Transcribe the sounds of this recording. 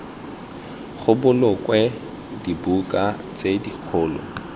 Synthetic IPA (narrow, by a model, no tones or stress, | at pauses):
χʊbʊlʊkʼwɛ | dibukʼa | t͡sʼediq͡χʰʊːlɔ̰